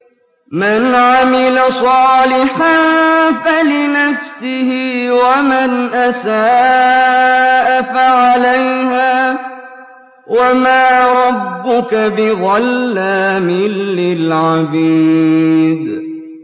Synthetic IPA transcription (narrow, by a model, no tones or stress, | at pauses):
manʕamɪlasˤɑːlɪħanfalɪnafsɪhɪwamanʔasaː | ʔafaʕalajhaː | wamaːɾˤɑbːʊkabɪɣɑlːaːmɪlːɪlʕabiː | d̪